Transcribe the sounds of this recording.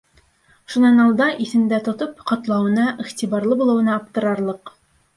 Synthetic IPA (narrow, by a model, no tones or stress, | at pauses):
ʃunɑnɑlˠd̪ɑʔiθɘ̆nd̪æt̪ŏt̪opqɑt̪lˠɑwɤ̆nɑʔiχt̪iβɑɾlˠɤbulˠɤ̆wɤ̆nɑɑp̚t̪ɤ̆ɾɑɾlˠɤq